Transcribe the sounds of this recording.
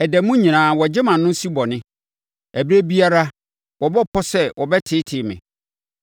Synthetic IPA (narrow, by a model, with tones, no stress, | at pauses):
ɛ˨dɛ˨mũ˦ɲĩ˨nãː˨wɔ˨d͡ʑɪ˦mã˨nʊ̃˦si˦bɔ˨nɪ̃˦ | æ˨bi˦ɾæ˦bi˦a˦ɾa˦ | wɔ˨bɔ˦pʰɔ˦sɛ˦wʔɔ˨bɛ˦tʰɪ˦tʰɪ˨mɪ̰̃˨